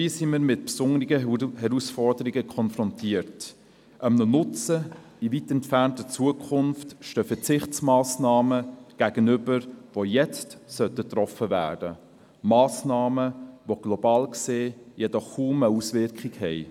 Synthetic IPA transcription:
ʋiːsimiːɾmɪt̚psʊŋɾɪɡəhɛɾusfɔrdəɾiɡəkʰɔnfɾɔntʰiːəɾt | ʔəmnənʊt͡sə | ivitɛntfæntət͡suəkʰχʊnftʃtøːfɛt͡sɪχtsmɑːsnɑːməɡ̥æɡ̥ənʏbəɾʋojɛt͡stsœtətrɔfəvæ̰ːd̥ə | mɑːsnɑːməʋoɡ̥lɔbɑːlkseːjɛdɔχkːuːməusʋɪɾkχikhɛɪ

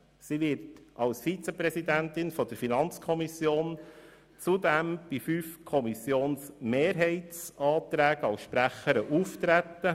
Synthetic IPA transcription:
siʋɪɾtʔɑlsfit͡səpɾɛsid̪ænt̪ɪnfɔd̥əɾfinɑnt͡skʰɔmisjoːn | t͡sud̪ɛmb̥ifyfkʰɔmisjoːnsmeːɾɦɛɪtt͡sɑːt̪ɾæːɡ̥ɑwʃpɾæχəɾəʔuft̪ɾæt̪ːə

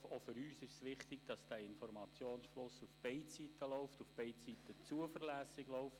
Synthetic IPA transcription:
ofʏɾyːsɪʃsʋɪχtɪɡ̥d̥ɑsd̥æɪnfɔɾmɑt͡sjoːnsflʊsufb̥eɪtsitəloʊftufb̥eɪtsit̪ət͡suəfəɾlæːsɪɡloʊft

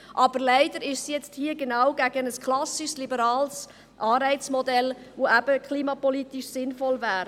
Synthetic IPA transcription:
ʔɑb̥əɾlæɪdəɾɪʃsijɛt͡sthiːəɡenɑwɡæɡənəskʰlɑsiʃslibəɾɑːls | ʔɑːɾɛɪt͡smɔdɛl | voʔæb̥əkχliːmɑpɔlitiʃsɪnfɔlvæːɾ

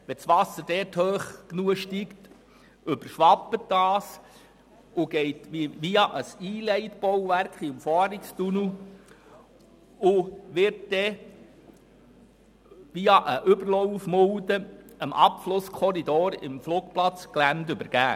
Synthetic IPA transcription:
ʋɛsʋɑsːəd̥ɛːthøːχknuəʃtikt | ʏb̥əɾʃʋɑpːətd̥ɑːs | ʊɡ̥ɛɪtʋiʋiɑʔəsiːlɛɪtb̥ɔwʋærkχimfɔːɾɪkst̪unu | ʊʋɪɾtd̥̪ɛ | ʋiɑʔəʔʏbəɾlɔwfmʊld̪əəmʔɑpflʊskʰɔɾid̪oːɾɪ̰mfluːkplɑt͡sklændʏbəɾɡ̥æː

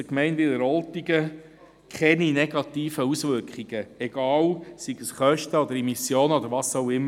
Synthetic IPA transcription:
əkmɛɪnʋɪləɾɔlt̪iɡə | kχɛninɛɡ̥ɑt̪iːfəusʋʏɾkχiɡ̥əɛɡ̥ɑːwsiɡəsχœʃtəɔd̪əɾɛmisjoːnɔd̪əɾʋɑːsoʊɪmːə

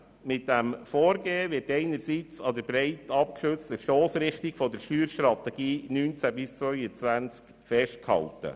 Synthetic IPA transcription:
mɪt̚d̥æmfɔːɾɡeːvɪɾtɛɪnəɾsiːt͡sɑd̪əɾbɾɛɪt̪ɑp̚kʃʏstəʃtoːsɾɪχtɪɡ̥fɔd̪əɾʃyːɾʃt̪ɾɑt̪ɛɡ̥iːnyːnt͡sæbɪst͡sʋœʏət͡sʋænt͡sk | fɛʃt̚khɑ̰ltə̰

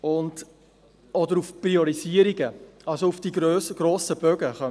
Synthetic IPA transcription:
ʊnd | ɔdəɾufpɾiɔɾiziəɾiɡəɑlsoufd̥iɡɾøːsəɡ̥ɾoːsəb̥œɡəχœ

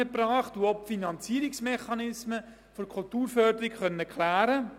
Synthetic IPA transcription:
əpɾɑːχtuɔpfinɑnt͡siːəɾiksmɛχɑnɪsmə | fɔɾkʰʊltuːɾfœːdəɾikχœnːəkʰlæːɾə

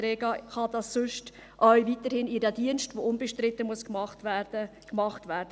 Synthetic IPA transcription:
ɾeːɡɑχɑd̥ɑsːʊʃt | ʔœɥviːtəɾhɪnidædiənstvʋoʊnbəʃtɾɪtəmuəskɑχtdə | kmɑχtvæːɾdə

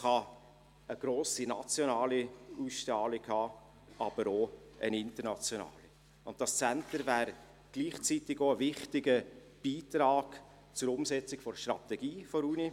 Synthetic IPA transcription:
χɑ | əɡ̥ɾoːsinɑt͡sjonɑːliusʃtɑːlɪɡhɑː | ɑb̥əɾoənɪntəɾnɑt͡sjonɑ̰ːli | ʊnt̚d̥ɑst͡sæntəɾvæːɾ | ɡ̥liːχt͡sitɪɡoəvɪχtɪɡə | b̥iːtɾɑːɡ̥ | t͡sʊɾʊmsɛt͡sɪkfɔɾʃtrɑt̪ɛɡiːfoɾuːni

